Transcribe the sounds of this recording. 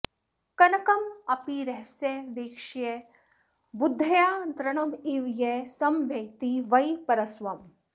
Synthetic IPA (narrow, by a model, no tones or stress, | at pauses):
kɐnɐkɐmɐpiɾɐɦseʋeːkʃje | bud̪ʱːɐjaːd̪ɾɐɳ̃ɐmiʋjesɐmʋjɐkt̪iʋɐjpɐɾɐsʋɐm